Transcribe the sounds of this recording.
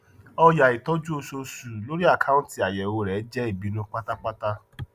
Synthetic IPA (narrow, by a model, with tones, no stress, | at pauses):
ɔ˧ja˨i˨tɔ˨˦d͡ʒu˦o˧so˧su˨lo˦ɾi˦a˦˨kʰa˦ũ˦n˦ti˨a˨jɛ˨o˧ɾɛ˨˦d͡ʒɛ˦i˦˨bi˨˦nũ˦k͡pa˦ta˦k͡pa˦ta˦